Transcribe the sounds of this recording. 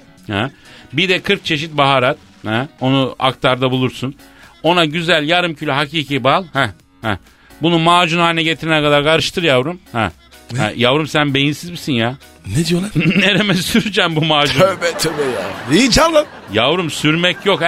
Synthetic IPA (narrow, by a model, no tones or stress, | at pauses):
hɛbid̪ɛkʰɯɾk̚t͡ʃʰe̞ʃit̪̚baɦaːɾat̪ | hɛo̞nua̰kt̪ʰaɾd̪abulˠuɾsun | o̞naɟyzælʲjaɾɯmcʰylʲyɦaciːcʰibalˠhɛ | hɛ | bunumaːd͡ʒunhaːnɛɟet̪ʰiɾɛnɛkʰad̪aɾkʰaɾɯʃt̪ʰɯɾjavɾumhɛ̰ | hɛ̰javɾumsænbe̞jinsizbisinja | ned̪ijolˠaɾneɾemɛsyɾyd͡ʒɛmbumaːd͡ʒubɛt̪ʰøbɛjaijd͡ʒamlˠam | javɾumsyɾmɛcjo̞k